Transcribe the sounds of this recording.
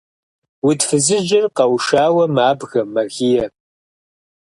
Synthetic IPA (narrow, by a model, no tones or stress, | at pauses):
wʊtfɨzɨd͡ʒɪrqɐwʃaːwɐmaːbɣɐmːɐɣiːjɛ